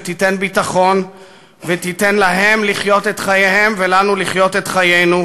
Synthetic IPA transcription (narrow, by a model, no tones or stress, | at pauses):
t̪ite̞nbitaχo̞n | vet̪ite̞nlaɦe̞mliχjo̞t̪et̪χajehe̞mvelanuliχjo̞t̪et̪χajejnu